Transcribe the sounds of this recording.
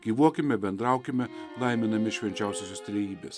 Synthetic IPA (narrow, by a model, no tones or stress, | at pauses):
ɡʲiːʋuɔkʲɪmʲɛbʲɛnd̪ɾɑˑʊkʲɪmʲɛlˠɐɪmʲɪnɐmʲɪʃʲʋʲɛnʲt͡ʃʲɛˑʊsʲosʲost̪ʲɾʲeːjiːbʲes